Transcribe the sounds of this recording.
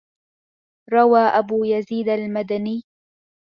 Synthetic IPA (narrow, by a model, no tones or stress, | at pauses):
ɾˤɑwaːʔabuːjaziːd̪almad̪aniː